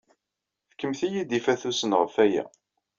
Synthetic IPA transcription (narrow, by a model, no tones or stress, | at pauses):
θkːəmθijid̪ifæθusənʁəfæjæ̰